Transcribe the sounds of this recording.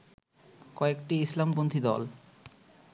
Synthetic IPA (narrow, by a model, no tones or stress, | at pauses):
kɔekʈiislambont̪ʰid̪ɔ̰l